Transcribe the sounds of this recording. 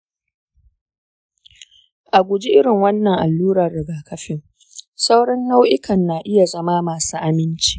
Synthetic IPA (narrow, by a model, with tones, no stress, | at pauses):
ʔa˨ɡʷʊ˨d͡ʒi˦ʔɪ˦ɽɪ˨ŋwɐ˦nːɐ˨ŋʔa˨lːuː˦ɾɐ˨rːɪ˨ɡaː˨kʰɐ˦ɸɪ˦ŋ | sa˦wɽɐ˦nːa˦wʔɪ˦kɐ˨nːaː˨ʔɪ˦ja˨zɐ˦maː˦maː˨suː˦ʔa˦mɪ˦nt͡ʃi̥ː˦ʔ